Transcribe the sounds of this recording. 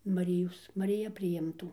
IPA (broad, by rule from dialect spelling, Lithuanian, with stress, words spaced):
mɐˈrʲɪjoːs mɐrʲɪˈjɛ pʲrʲɪˈɪmtuː